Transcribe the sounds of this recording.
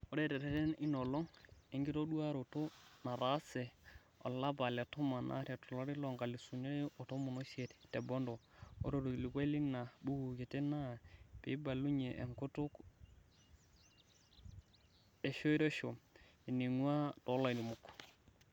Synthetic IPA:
o˦ɾɛ˦˨tɛ˨ɾɛ˦tɛ˦ni˦no˨lɔ˦ŋe˦ŋɡi˦to˦ɗu˦a˦ɾo˨to˦na˨ɾa˦sɛ˨ | ɔ̰˨la˦ba˨lɛ˨to˦ma˨nʔa̰˦ɾɛ˨tɔ˨lo˦ɾi˦lo˨ŋɡa˨li˨su˨no˦ɔ˨to˦mu˨no˦ʃe˨ttɛ˨bɔ˦ndɔ˨o̰˦ɾo˦˨ɾo˨li˨ka˦li˦na˨bu˦ɡu˨ki˨tɛ˦na˦pi˨˦ba˨lu˦ɲe˨ʔḛ˨ŋku˦tʊ˦k | e˨ʃo˦i˦ɾe˦ʃo˨mi˨ni˨ŋwa˦to˨˦la˨ni˨mu˨kː

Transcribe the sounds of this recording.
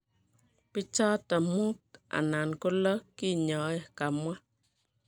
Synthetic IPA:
pɪ˦t͡ʃɔ˦ta˨mu˦ta̰˨na˨nko˦lɔ˦ki˦˨ɲɔ˨˦ɛ˦ka˨mwa˦

